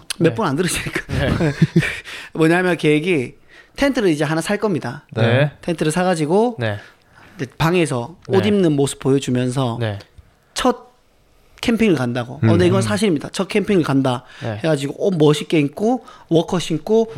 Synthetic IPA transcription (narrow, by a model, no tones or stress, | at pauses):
mjep͈unandɯɾɯɕʰiɲik͈ḁe | mwʌɲamjʌnkeɡi | tʰentʰɯɾɯɾid͡ʑe̞ɦanasʰaɭk͈ʌmɲidantʰentʰɯɾɯɭsʰaɣad͡ʑiɡone | d͡ʑepaŋe̞s̬ʰʌodimnɯnmosʰɯ̥p̚p͈ojʌd͡ʑumjʌns̬ʰʌne | t͡ɕʰʌt̚ | kʰempʰiŋɯɭkandaɡoʌndeiɡʌnsʰaɕ̬ʰiɾimɲidat͡ɕʰʌt̚kʰempʰiŋɯɭkandahe̞ɡad͡ʑiɡoʔomʌɕʰik͈eikʰowʌkʰʌɕʰinkʰo